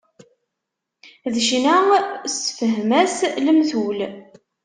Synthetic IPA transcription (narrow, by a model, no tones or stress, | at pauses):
ðʃnæsfəɦmæsləmθul